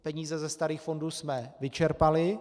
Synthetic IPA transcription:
pɛɲiːzɛzɛst̪aɾiːxfo̞nduːsmɛvɪt͡ʃɛɾpalɪ

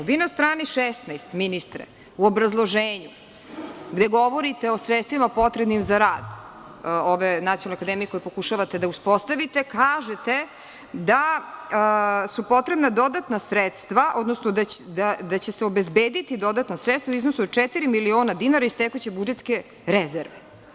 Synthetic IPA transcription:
uʋiːnast̪ɾaːniʃest̪najst̪minist̪ɾḛ | uobɾazlˠo̞ʒeːɲu | ɡd̪e̞ɡo̞ʋo̞ɾit̪eosɾet̪st̪ʋimapo̞t̪ɾebnimzaɾaːd̪ | oʋenat̪ionloakad̪emijeko̞jepo̞kuʃaʋat̪e̞d̪auspo̞st̪aʋit̪ekaːʒet̪e | d̪a | supo̞t̪ɾe̞bnad̪o̞d̪at̪nasɾet̪st̪ʋaʔo̞d̪nosnoad̪ad̪at͡ɕeseo̞bezbeːd̪it̪id̪o̞d̪at̪nasɾet̪st̪vauiznosud̪t͡ʃɛt̪iɾimilioːnad̪inaɾaist̪ekut͡ɕebud͡ʒet̪ske̞ | ɾezeɾʋe

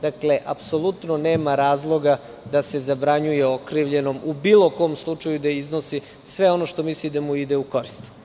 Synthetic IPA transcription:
d̪akle̞ʔapso̞lˠut̪no̞neːmaɾaːzlˠo̞ɡa | d̪ase̞zabɾaɲujeokɾiʋʎe̞no̞mubiːlˠo̞ko̞ːmslˠut͡ʃajud̪aizno̞si | sʋe̞o̞no̞ʃt̪omislid̪amuid̪euko̞ɾist̪

